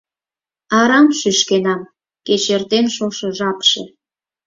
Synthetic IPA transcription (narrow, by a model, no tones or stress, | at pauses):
ɑɾɑmʃyʃkenɑm | ket͡ɕert̪enʃoʃɤʒɑpʃe